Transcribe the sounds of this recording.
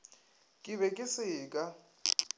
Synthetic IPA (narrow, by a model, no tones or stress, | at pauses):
kʼɪβɛkʼɪsɪːkʼa